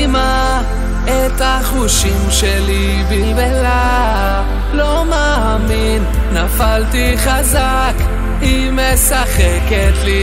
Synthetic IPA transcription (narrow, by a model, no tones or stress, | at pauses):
ma | et̪aχuʃimʃeli | bilbela | lo̞maːminː | afalt̪iχaza | k | hi | mesaχeket̪li